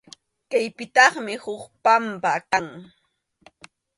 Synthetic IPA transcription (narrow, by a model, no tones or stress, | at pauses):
kajpɪt̪ɑχmɪhʊkpampakaŋ